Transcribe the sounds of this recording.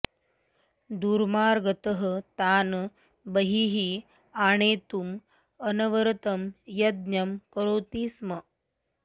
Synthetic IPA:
d̪uːɾmaːɾɡət̪əɦə̆t̪aːn | bəɦiɦi | aːɳ̃eːt̪um | ɐnɐʋəɾt̪ɐmjɐd̪̚njɐmkɐɾoːt̪iːsmɐ

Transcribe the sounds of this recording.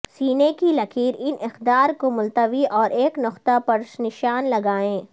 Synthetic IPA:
siːnekilɐkʰiːɾɪnʔɪxd̪aːɾkomʊlt̪əʋiʔɔːɾeːknʊqt̪apɐɾʃnɪʃaːnlɐɡaːẽː

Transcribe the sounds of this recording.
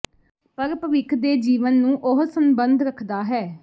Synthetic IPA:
pəɾpəʋɪkʰd̪eːd͡ʒiːʋənːũːʔʊɦsəmbənd̪ɾəkʰd̪aːɦɛː

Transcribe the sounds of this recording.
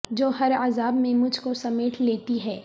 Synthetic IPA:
d͡ʒoːɦɐɾaːzaːbmẽmʊd͡ʒʱkosɐmeːʈʰleːt̪iɦɛː

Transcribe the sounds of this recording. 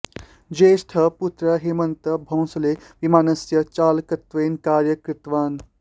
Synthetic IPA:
d͡ʒeːsʈʰɐput̪ɾəɦimɐnt̪əbʱɐ̃w̃sɐleʋimaːnɐsjɐt͡ʃaːlkɐt̪ʋeːnkaːɾjɐkɾɪt̪ʋaːn

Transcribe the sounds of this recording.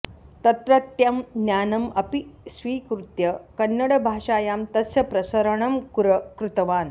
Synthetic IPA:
t̪ɐt̪ɾɐt̪jɐmnʲjaːnɐmɐpisʋiːkɾut̪jɐkɐnːɐɽɐbʱaːʂaːjaːmt̪ɐsjɐpɾɐsɐɾɐɳɐmkuɾɐkɾut̪ɐʋaːn

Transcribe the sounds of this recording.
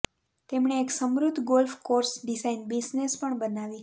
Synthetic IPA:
t̪emɳeːksəmɾud̪ʱɡolfkoɾsɖisainbiznespəɳbənaʋi

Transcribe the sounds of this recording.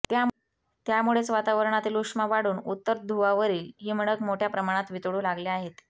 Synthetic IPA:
t̪ja | t̪jamuɭet͡sʋat̪aʋəɾɳat̪iːlukʂmaʋaɽuːnut̪ːəɾd̪ʱuʋaʋəɾiːlɦiːməɽ̃əkmoʈʰjapɾəmaɽ̃at̪ʋit̪ɽuːlaɡleaɦet̪

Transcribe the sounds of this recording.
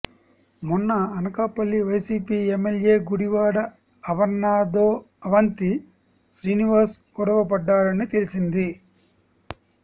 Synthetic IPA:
munːɐːnɐkaːpɐlːiʋɐjsiːpiːemːelje̞ːɡuɽiʋaːɽɐ | ɐʋɐɾnaːd̪oː | ɐʋɐnt̪i | sɾiːniʋɐːɾsɡɔɽɐʋɐpɐɖːaːɾɐnit̪elisind̪i

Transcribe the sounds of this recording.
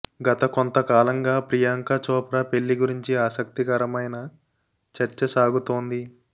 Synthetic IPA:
ɡɐt̪ɐkont̪ɐkaːlɐŋɡaːpɾijaːŋkɐt͡ʃɔːpɾɐpeɭːiɡuɾiɲt͡ʃiaːsɐk̚t̪ikɐɾɐmɐjnɐ | t͡ʃɐɾt͡ʃɐsaːɡut̪oːnd̪i

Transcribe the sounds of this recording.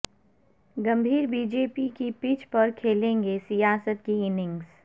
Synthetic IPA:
ɡɐ̃mbʱiːɾbiːd͡ʒeːpikipiːt͡ʃpɐɾkʰeːlẽːŋɡesijaːsət̪̚kiɪnɪ̃ŋɡs

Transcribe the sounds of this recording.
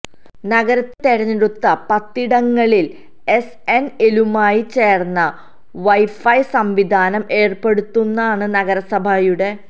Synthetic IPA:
nɐɡɐɾɐt̪ːeɾɐɲːiɽut̪ːɐpɐt̪ːiɽɐŋːɐɭil | es | enelumaːjit͡ɕe̞ːrnːɐ | ʋɐjfɐjsɐmʋid̪ʱaːnɐme̞ːrpe̞ɽut̪ːunːaːɳɨnɐɣɐɾɐsɐbʱɐjuɽe̞

